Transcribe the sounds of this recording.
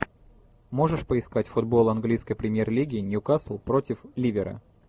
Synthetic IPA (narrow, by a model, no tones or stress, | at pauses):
mo̞ʐɨʂpəɪskatʲfʊd̪bo̞lˠɐnɡlʲijskəjpɾʲɪmʲjerlʲiɡʲɪːnʲɪʊkaslˠpɾo̞tʲɪflʲivʲɪɾə̰